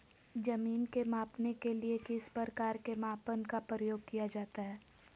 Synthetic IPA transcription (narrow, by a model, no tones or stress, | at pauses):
d͡ʒɐmiːnkemaːpnekeliekɪspəɾkaːɾkemaːpənkapɾəjoːɡ̚kijad͡ʒaːt̪aɦɛː